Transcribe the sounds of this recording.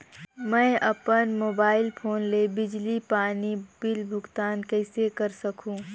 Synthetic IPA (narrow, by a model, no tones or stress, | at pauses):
mɛ̃ʔɐpənmoːbaːɪlpʰoːnlebɪd͡ʒlipaːnibɪlbʱʊɡt̪aːnkɛɪsekɐɾsɐkʰũː